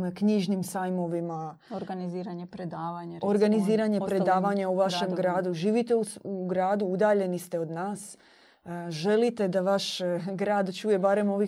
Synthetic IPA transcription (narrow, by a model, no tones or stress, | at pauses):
kɲiʒnimsajmo̞ʋima | oɾɡaniziːɾaɲepɾed̪aːʋaɲaɾo̞ɾɡaniziːɾaɲe̞pɾe̞d̪aːʋaɲauʋaʃe̞mɡɾaːd̪uʒiːʋit̪e̞uuɡɾaːd̪uud̪aːʎe̞nist̪e̞o̞d̪naːs | ʒe̞lit̪e̞d̪aʋaʃɡɾaːd̪t͡ʃuːje̞baɾe̞mo̞ʋi